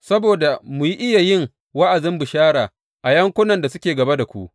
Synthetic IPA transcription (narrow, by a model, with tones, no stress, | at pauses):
sɐ˦boː˨da˨mʊ˨ji˦ʔɪ˦ja˨jɪ˦˨ŋ | wa˦ʔa˨dɪ˦mbʊ˨ʃaː˦ɽaː˨ | ʔa˨jɐ˦ŋkʷʊ˦nɐ˨nda˨sʊ˦kʲeː˨ɡɐ˨ba˦da˨kʷṵ˦ʔ